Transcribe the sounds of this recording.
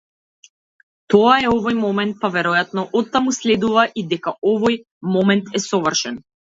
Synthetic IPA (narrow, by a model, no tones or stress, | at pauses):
t̪ɔaɛɔvɔjmɔmɛnt̪̚pavɛɾɔjat̪nɔʔɔt̪ːamuslɛd̪uvaʔid̪ɛkaɔvɔj | mɔmɛnt̪ɛsɔvərʃɛn